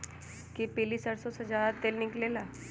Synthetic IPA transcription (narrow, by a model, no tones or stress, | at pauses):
kipelisəɾsõsed͡ʒjaːd̪at̪eːlnɪklelaː